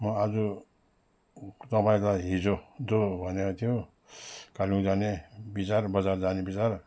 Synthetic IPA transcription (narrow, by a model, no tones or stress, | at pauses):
mʌad͡zu | t̪ʌpaĩtaɦid͡zod͡zobʱʌnat̪ʰijo | kalĩd͡zanebit͡saɾbʌd͡zaɾd͡zanebit͡saɾ